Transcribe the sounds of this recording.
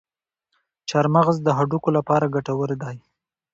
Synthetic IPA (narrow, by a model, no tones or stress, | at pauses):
t͡ʃaɾmaɣzd̪əɦaɖukolapɑɾaɡaʈawəɾed̪ɑj